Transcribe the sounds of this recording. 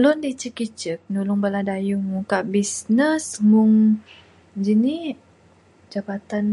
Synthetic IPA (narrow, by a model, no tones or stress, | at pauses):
lʊndit͡ʃəkit͡ʃək̚nulʊŋbaladajuŋuŋkaʔbisnəsŋuŋ | d͡ʒini | d͡ʒabat̪an